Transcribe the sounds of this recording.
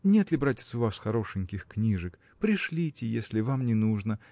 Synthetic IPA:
nʲe̞t̪lʲɪbɾatʲɪ̥t̪sʊvasxɐɾo̞ʂɨnʲkʲɪxknʲiʐɨk | pɾʲɪʂlʲitʲɪjesʲlʲɪvamnʲɪnuʐnə

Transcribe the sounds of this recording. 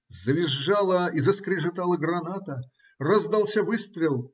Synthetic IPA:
zəvʲɪʐːalˠəizəskɾʲɪʐɨt̪alˠəɡrɐnat̪ə | rɐzd̪alˠsʲavɨst̪ɾʲɪlˠ

